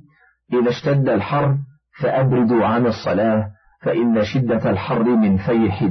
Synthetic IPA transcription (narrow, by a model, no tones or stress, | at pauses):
ʔɪðaʃt̪ad̪ːalħɑrˤː | faʔabɾɪd̪ʊʕanɑsˤːɑ̰laː | faʔɪnːaʃɪd̪ːaalħɑrˤːɪmɪnfajħɪ